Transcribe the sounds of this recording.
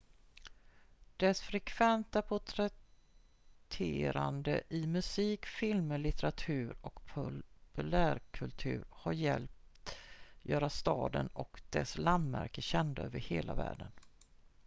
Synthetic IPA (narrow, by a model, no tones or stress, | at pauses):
d̪̥ɛsfɾɛkʰvɛnt̪apʰʊʈʰɾɛ | t̪ʰeːɾa̰nd̪əʔɪmɵsiːkfɪlməɭɪt̪ɛɾat̪ʰʉ̟ːɾɔkpʰʊpɵlæːɾkʰɵlt̪ʰʉ̟ːɾhaɾjɛlpt̪jœːɾast̪ɑːd̪ənɔkd̪̥ɛsland̪mæ̰ɾkəɕɛnd̪aøːvəɾheːla̰væ̰ːɖən